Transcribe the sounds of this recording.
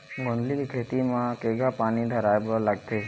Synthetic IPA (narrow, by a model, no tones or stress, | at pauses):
ɡõːnd̪likikʰeːt̪imãkeːɡapaːnid̪ʱɐɾaːebolɐɡd̪e